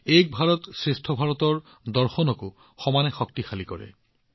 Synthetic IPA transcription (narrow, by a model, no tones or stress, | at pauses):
ejk̚bʱaɹɔtsɹestʰɔbʱaɹɔtɔɹ | dɔɹxɔnɔko | xɔmanɛxɔk̚tixalikɔɹɛ̰